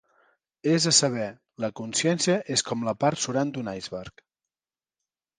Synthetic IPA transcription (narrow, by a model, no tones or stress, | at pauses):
ezəsəβ̞ɛ | ləkunsjɛnsijəʔeskɔmləpaɾt̪suɾand̪unajzβɛɾk